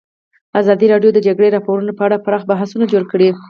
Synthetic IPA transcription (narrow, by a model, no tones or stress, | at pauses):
azɑd̪iɾɑɖjod̪əd͡ʒaɡɽeɾɑpoɾunopəaɽapaɾɑxbaɦasunad͡ʒoɽkəɽi